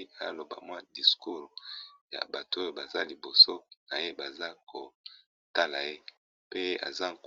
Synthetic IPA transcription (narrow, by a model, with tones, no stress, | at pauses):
a˦˨˦lo˨ba̰˨mwa˦di˨sku˦ʁja̰˨ba˨to˦o˦jo˨ba˨za˦li˨bo˨so˦na˨je˦ba˨za˦ko˨ | ta˦la˨je˦ | pe˦a̰˨za˦k